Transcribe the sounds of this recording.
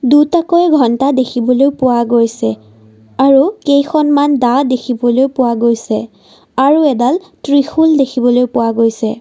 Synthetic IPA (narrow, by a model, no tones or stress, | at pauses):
dutakɔjɡʱɔntadekʰibɔlojpʊwaɡojsɛ | aɹukejxɔnmandadekʰibɔlojpʊwaɡojsɛ | aɹuɛdaltɹixuldekʰibɔlojpʊwaɡojsɛ